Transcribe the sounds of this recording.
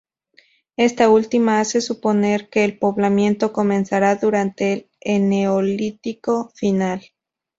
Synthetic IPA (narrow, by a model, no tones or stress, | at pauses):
e̞st̪ault̪imaase̞supo̞ne̞ɾke̞ːlpo̞βlamjẽ̞nt̪o̞ko̞mẽ̞nsaɾaðuɾant̪eːl | eneolit̪iko̞final